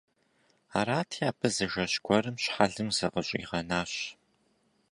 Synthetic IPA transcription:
aːɾaːtʰiaːpʰɨzɨʒɐɕɡʷɔɾɨmɕħaɮɨmzɐʁəɕʼḭːʁɐnaːɕ

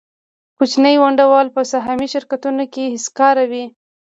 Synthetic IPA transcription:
put͡ʃnəjwaɳɖawɑlpəsaɦɑmiʃɪɾkat̪unokehɪskɑɾawi

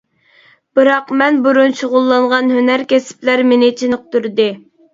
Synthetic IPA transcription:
b̥ɨɾɑqmɛnbuɾunʃoʁʊlˠːɑɴʁɑnhønæɾkʲesɪ̥plæɾmenɪt͡ʃʰinq̚t̪uɾd̪ɨ

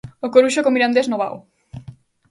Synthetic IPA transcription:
okoɾuʃokomiɾand̪eznoβa̰w

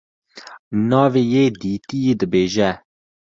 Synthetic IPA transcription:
nɑːveːjeːd̪iːt̪ijeːd̪ɨbeːʒɛ

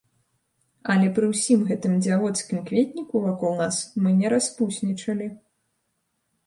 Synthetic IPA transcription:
ɐlʲɛpɾɨwsʲimɣɛt̪ɨmd͡zʲavɔt̪skʲimkvʲet̪ʲnʲikuvakɔwˠnasmɨnʲɛɾaspusʲnʲit͡ʂɐlʲi

